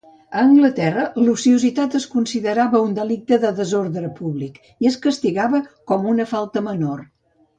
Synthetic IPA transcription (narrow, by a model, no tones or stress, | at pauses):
əːŋɡlət̪ɛrəlusiuzit̪at̪əskunsiðəɾaβəund̪əlik̚t̪əðəðəzoɾðɾəpuβlik | iəskəst̪iɣaβəkɔmunəfalˠt̪əmənor